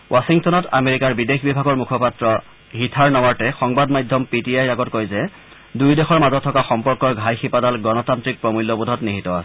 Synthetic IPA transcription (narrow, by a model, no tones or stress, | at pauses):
wʔasiŋtɔnɔta̰meɹikaɹbidexbibʱaɡɔɹmukʰɔpatɹɔ | ɦitʰaɹnɔwaɹtɛxɔŋbadmajdʱːɔmpitiajaɡɔtkojzɛ | dujdexɔɹmazɔtʰːɔkaxɔmpɔɹkɔɹɡʱajxipadalɡɔnɔtantɹik̚pɹɔmulːɔbudʱɔtniɦitɔa̰sɛ̥